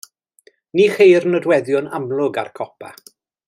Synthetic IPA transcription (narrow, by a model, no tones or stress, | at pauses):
niːχejrnɔdwɛðjʊnamlˠʊɡa̰rkʰɔpʰa̰